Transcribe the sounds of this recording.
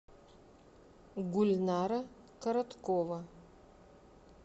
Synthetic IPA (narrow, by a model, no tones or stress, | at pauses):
ɡʊlʲnaːɾɐ | kʰɐɾɐt̪kʰovɐ